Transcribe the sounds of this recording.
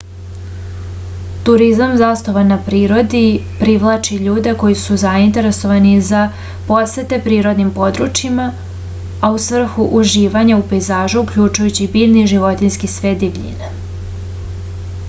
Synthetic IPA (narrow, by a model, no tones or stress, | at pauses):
t̪uɾizamzast̪oʋanːapɾiːɾo̞d̪ipɾiʋlˠaːt͡ʃiʎuːd̪e̞ko̞jisuzaint̪e̞ɾe̞so̞ʋaniza | po̞set̪e̞pɾiːɾo̞d̪nimpo̞d̪ɾut͡ʃima | ausʋr̩xuʔuʒiːʋaɲaupejzaːʒuːkʎut͡ʃujut͡ɕibiːlniʒiʋo̞t̪inskisʋeːd̪ibʎḭna